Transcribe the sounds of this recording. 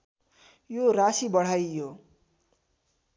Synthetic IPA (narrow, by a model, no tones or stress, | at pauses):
jorasibʌɽ̤ajjo